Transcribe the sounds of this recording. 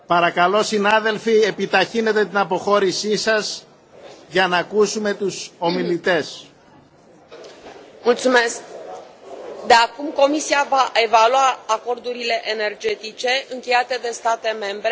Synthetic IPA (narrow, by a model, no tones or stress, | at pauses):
pɐɾɐkɐlo̞sinaðe̞lfie̞pit̪ɐçine̞t̪e̞t̪inɐpo̞xo̞ɾisisɐz | ʝɐnɐːkusume̞t̪uso̞milit̪e̞s | mult̪sume̞sk | d̪e̞akumko̞misiavaʔe̞valuaːko̞ɾd̪uɾile̞ʔene̞rd͡ʒe̞t̪it͡ʃe̞ɨŋkʲejat̪e̞d̪e̞st̪at̪e̞me̞mbɾe